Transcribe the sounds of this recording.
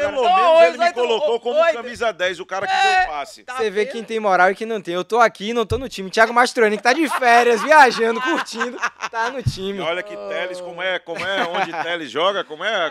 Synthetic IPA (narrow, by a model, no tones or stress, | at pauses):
elooelɪkolokokõmjkɐmizad̪ɛjzʊkaɾɐkɪẽpasɪsevekẽj̃t̪ẽj̃mɔɾawɪkɪ̃nɐ̃w̃t̪ẽj̃ewt̪oakinɐ̃w̃t̪onʊt͡ʃĩmɪt͡ʃiaɡʊmaʃt̪uɾɐ̃nɪkɪ̥t̪ad͡ʒɪfɛɾjɐzviaʒɐ̃d̪ʊkuht͡ʃĩd̪ʊt̪anʊt͡ʃĩmɪɔʎɐkɪt̪ɛlɪskõmʊɛkõmʊɛõd͡ʒɪt̪ɛlɪzʒɔɡɐkõmʊɛ